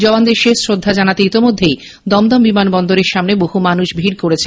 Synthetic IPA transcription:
d͡ʑɔband̪eɾʃeʃsɾod̪ʱːad͡ʑanat̪eit̪imod̪ʱːej | d̪ɔmd̪ɔmbimanbɔnd̪oɾeɾʃamneboɦumanuʃbʱiɾkoɾet͡ɕʰe

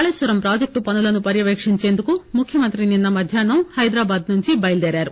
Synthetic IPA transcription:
aɭeːsʋɐɾɐmpɾaːd͡ʒek̚ʈupɐnɐlɐnːupɐɾjɐʋeːkʂiɲt͡ʃeːnd̪ukumukʰjɐmɐnt̪ɾininːɐmɐd̪ʱjaːnɐhɐjd̪ɾaːbaːd̪nuɲt͡ʃibɐjld̪eːɾjaːɾu

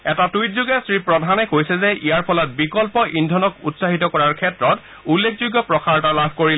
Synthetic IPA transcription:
ɛtatuijtzuɡɛsɹipɹɔdʱanɛkojsɛzɛʔijaɹpʰɔlɔt̚bikɔlpɔʔindʱɔnɔkutsaɦitɔkɔɹaɹkʰɛtɹɔt | ulːekʰzuɡːɔpɹɔkʰaɹtalabʱkoɹil

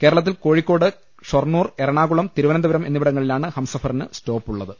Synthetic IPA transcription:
ke̞ːɾɐɭɐt̪ːilko̞ːɻikːo̞ːɽɨ | ʂornːuːre̞ɾɐɳaːɣuɭɐmt̪iɾuʋɐnɐnd̪ɐʋɐɾɐme̞nːiʋiɽɐŋːɐɭilaːɳɨhɐmsɐfɐrinɨsto̞ːpːuɭːɐðɨ

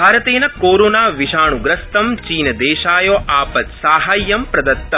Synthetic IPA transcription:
bʱaːɾɐt̪eːnɐkoːɾoːnaːʋiʃaːɳuɡɾɐst̪ɐmt͡ʃiːnɐd̪eːʃaːjoːʔaːpɐt̪saːɦaːjːɐmpɾɐd̪ɐt̪ːɐ

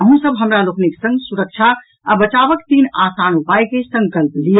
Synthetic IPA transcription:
əɦũsəbɦəmɾalokniksə̃ŋɡsuɾək̚t͡ʃʰa | a̰bət͡ʃabəkt̪inasanupajkesə̃ŋkəlplijə

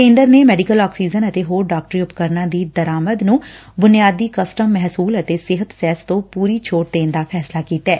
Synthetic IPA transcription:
ẽːnd̪əɾneːmɛːɖɪkəlaːksiːzənət̪eːɦoːɾɖaːk̚ʈəɾiːʊpkəɾnãːd̪iːd̪əɾaːməd̪nũː | bʊnɪjaːd̪iːkəsʈəmːɛɦsuːlət̪eːsɪɦət̪sɛːst̪õːpuːɾiːt͡ʃʰoːʈ̚d̪eːnd̪aːpʰɛːslaːkiːt̪ɛː

